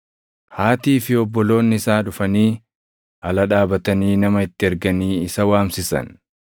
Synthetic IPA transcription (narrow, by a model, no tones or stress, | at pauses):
haːt̪iːfɪɔbːɔlo̞ːnːɪɪsaːᶑʊfɐniː | ʔɐlɐᶑaːbɐt̪ɐniːnɐmɐɪt̪ːɪɛɾɡɐniːɪsɐwaːmsɪsɐ̰n